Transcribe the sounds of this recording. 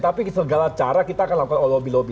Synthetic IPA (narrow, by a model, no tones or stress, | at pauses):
t̪apisəɡalat͡ʃaɾakit̪aːkanlakukanolobilobi